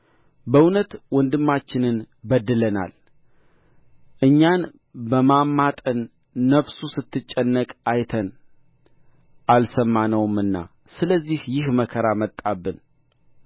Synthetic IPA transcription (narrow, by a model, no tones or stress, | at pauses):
bəwʊnət̪wɔnd̪ɨmːat͡ʃːɪnɨn | bəd̪ːɨləna̰l | ʔɨɲːan | bəmamːat̪ʼənː | əβsusɨt̪ːɨt͡ʃʼːɛnːəkʼajt̪ʰən | ʔalsəmːanəwɨmɨnːa̰ | sɨləzːihjɪhməkʰəɾamət̪ʼːabːɨn